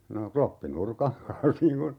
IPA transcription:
no klopːinurkɑŋ kɑns niːŋ kun

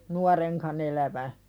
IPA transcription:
nuɑreŋkɑn elæʋæ

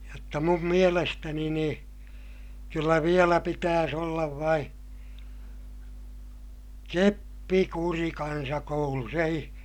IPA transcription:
jotːɑ mum mielestæni niː kylːæ ʋielæ pitæːs olːɑʋ ʋɑin̞ kepːikuri kɑnsɑkoulus ei

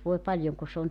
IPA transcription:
ʋoe pɑljoŋ ku sĕ on

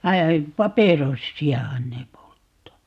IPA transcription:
ʋɑ pɑperosːiɑhɑn ne poltːɑː

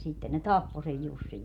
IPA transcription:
sitːen ne tɑpːo sej jusːiʋ

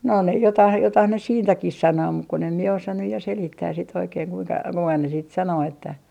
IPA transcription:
no ne jotɑh jotɑh ne siːntækih sɑnoː muk kun em mie osɑ nyj jɑ selitːæːs sit oikeːŋ kuiŋkɑ kuiŋkɑ ne siːt sɑnoː etːæ

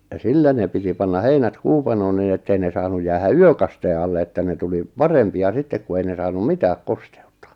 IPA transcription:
jɑ silːæ ne piti pɑnːɑ heinæt kuːpɑnoːn nin etːei ne sɑːnuj jæːhæ yøkɑsteː ɑlːe etːæ ne tuli pɑrempiɑ sitːek ku ei ne sɑːnum mitæːk koste̥u̥tːɑ̥

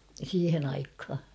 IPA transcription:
siːhen ɑikhɑ

